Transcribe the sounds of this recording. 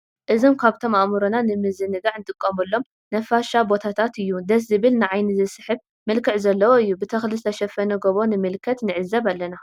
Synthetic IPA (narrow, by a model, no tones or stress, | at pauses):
ʔɨzomkʰaβt̪ʰo̞maʔmuɾonanɨmɨzɨnɨɡ̪aʕɨnt̪ʼɨkʼːɐmɨlːo̞m | nɐfaʃabo̞t̪ʰat̪ʰat̪ɨjːud̪ɐs̬zɨβɨlnɨʕajnɨzɨsɨħɨβ | mɨlkʰɨʕzɐlːɐwoɨjːubɨt̪ʰɐxlɨst̪ʰɐʃɐfɐnɐɡoβo̞nɨmɨlkʰɐt̪nɨʕɨzːɐβalːɐna